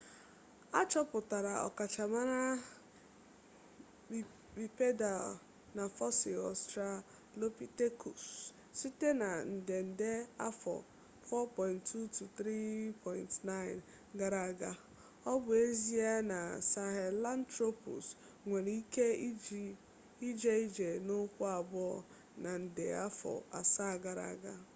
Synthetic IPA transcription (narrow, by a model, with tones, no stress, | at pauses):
a˦t͡ʃɔ˦pʊ˨ta˨ɾa˨ɔ̰˨ka˨t͡ʃa˨ma˦ɾa˦ | bi˨pe˦da˨l | na˨fɔ˦sɪ˨ɔ˨stɾa˨ | lo˦pi˦te˦ku˨s | si˦te˦na˨n̩˨de˨n̩˨de˦a˦fɔ̰˨ | fɔ˦pɔ˨ɪ̃˨ntːu˦tu˨t̪ɾi˦pʰɔ˨ɪ˨ntna˦ɪ˨n | ɡa˨ɾa˨ɡa˦ | ɔ˦bʊ˨e˦zi˦a˦na˨sa˨ɦɛ˨la˦n˦tɾo˦pṵ˨s | ŋʷe˨ɾi˦ke˦i˦d͡ʒ | i˦d͡ʒe˦i˦d͡ʒe˨nʊ˦kʷʊ˦a˨bɔ˨ | na˨n̩˨dḛ˨a˦fɔ̰˨a̰˨sa˦˨ɡa˨ɾa̰˨ɡa˦